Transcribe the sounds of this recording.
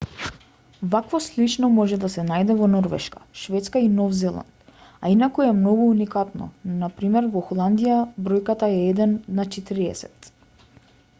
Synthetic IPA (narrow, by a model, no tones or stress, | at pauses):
vakvɔslit͡ʃnɔmɔʒɛd̪asɛnajd̪ɛvɔnɔɾvɛ̰ʃkḁʃvɛt̪skainɔvzɛlˠa̰nt̪ainakuɛmnɔɡuːnikat̪nɔ̰napɾimɛɾvɔxɔlˠand̪ijabɾɔjkat̪aɛɛd̪ɛnːat͡ʃɛt̪iɾiɛ̰sɛt̪